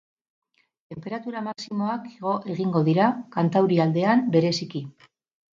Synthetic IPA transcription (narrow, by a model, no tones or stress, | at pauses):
t̪e̞mpe̞ɾat̪uɾamaksimo̞akeɣ̞o̞ʔe̞ɣ̞iŋɡo̞ðiɾakant̪awɾiald̪e̞ambe̞ɾe̞siki